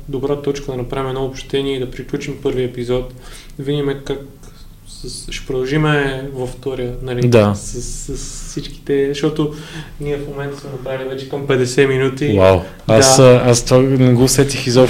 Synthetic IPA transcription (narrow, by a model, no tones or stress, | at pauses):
d̪obɾat̪ɔt͡ʃkəd̪ɐnɐpɾavimɛd̪nɔopʃt̪t̪ɛniɛid̪ɐpɾiklʲut͡ʃimpɤɾviəɛpizɔt̪ | d̪vid̪ʲimɛkak̚ | sɐsʃɛ̥pɾod̪ɐlˠʒimɛvɐft̪ɔɾʲjənɐlid̪asɐsːɐssit͡ʃki̥t̪ɛʃt̪ɔt̪oniɛfmomɛnt̪ə̥smɛnɐpɾailivɛt͡ʃɛ̥kɐmpɛd̪ɛsɛminut̪iwaw | ad̪asast̪anɛɡɔsɛt̪ixizɔ